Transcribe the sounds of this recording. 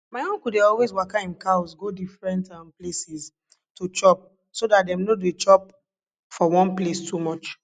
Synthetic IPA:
maɪɔ̃ŋkudeɔlwezwakaĩmkaʊsɡodifɹɛ̃ntãmplesis | tot͡ʃɔp̚ | sodatdɛ̃mnoduet͡ʃɔp̚ | fɔwɔ̃nplestumɔt͡ʃ

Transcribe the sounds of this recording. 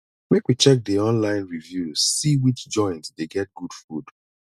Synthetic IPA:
mekwit͡ʃɛk̚diɔ̃nlãɪ̃nɹivjusiwit͡ʃd͡ʒɔ̃ɪ̃ntsdeɡɛt̚ɡ̥ud̥fud̥

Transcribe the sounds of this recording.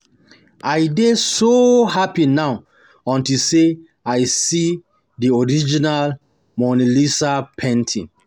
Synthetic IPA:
ajdesohapinaʊ | ɔ̃ntilse | ajsi | diɔɹid͡ʒinal | mɔnilisapʰɛ̃ntʰĩn

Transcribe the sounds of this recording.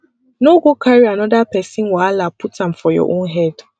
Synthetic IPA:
noɡokʰaɾianɔdapɛsɪ̃nwaalaputãmfɔjɔ̰ʔõnɦɛd

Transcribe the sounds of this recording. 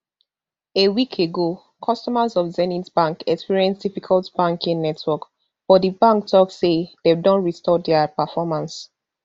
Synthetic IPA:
ewikʰeɡo | kʰɔstɔmazɔfzɛnitbãŋkɛkspiɹiɛ̃nsd̥ifikʰaltb̥ãŋkĩŋnɛtʰwɔk | fɔdibãŋk̚tʰɔksededɔ̃nɹistɔdɛapəfɔmãns

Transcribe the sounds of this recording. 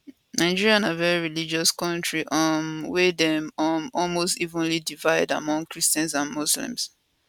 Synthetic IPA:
naɪd͡ʒiɹiãnavɛɹiɹilid͡ʒɔskɔ̃ntɹiʔɔmwɛdɛ̃mɔmɔlmostivə̃nlidivaɪda̰mɔ̃ŋkɹistɛ̃nsãnmuslḭ̃ms

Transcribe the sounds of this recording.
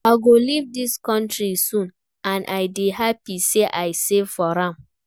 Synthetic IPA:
aɪɡolivdiskɔ̃ntɾisũn | ãnʔaɪdehapiseʔaɪsevfɔɾãm

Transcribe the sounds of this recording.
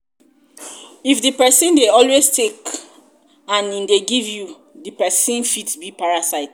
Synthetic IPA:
ifdipɛsĩndeɔlwestek | ãnĩndeɡivju | dipɛsĩnfitbipaɹasaɪt

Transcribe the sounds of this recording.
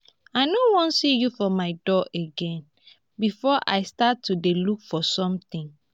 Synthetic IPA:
aɪnowɔ̃nsijufɔmaɪdɔʔeɡɛ̃n | bifɔʔaɪstatʰːudelukfɔsɔ̃mt̪ĩŋ

